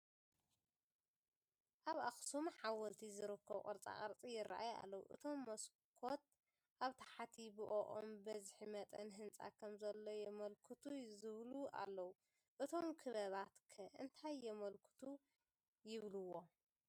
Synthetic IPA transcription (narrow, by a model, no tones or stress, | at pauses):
ʔaβaxsumħawɐlt̪ʰizɨɾɨkːɐβkʼɨ̰ɾt͡sʼa̰χʼɐɾt͡sʼijɪra̰ʔaja̰lːɐwṵʔɨ̰t̪ʰo̞mːɐs | kʰo̞t̪̚ | ʔaβt̪ʰḁħat̪ʰibɨʔoʔo̰mbɐzħimɐt̪ʼɐnɦɨnt͡sʼa̰kʰɐmzɐlːo̞jɛmɐlkʰɨt̪ʰuzɨβluʔa̰lːɐwu | ʔɨt̪ʰomkʰɨβɐβat̪kʰɐʔɨnt̪ʰajːɛmɐlkʰɨ̥t̪ʰu | jɪβluwːo̞